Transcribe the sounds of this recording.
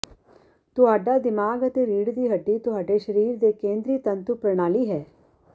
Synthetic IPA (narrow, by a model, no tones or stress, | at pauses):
t̪ʊɦaːɖaːd̪ɪmaːɡət̪eːɾiːɽd̪iːɦəɖːiːt̪ʊɦaːɖeːʃəɾiːɾd̪eːkẽːnd̪ɾiːt̪ənt̪upɾəɳaːliːɦɛː